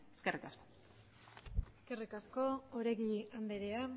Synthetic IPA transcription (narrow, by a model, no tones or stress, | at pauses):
eskerikasko̥ | eske̞rikasko̞oɾe̞ɣiand̪eɾea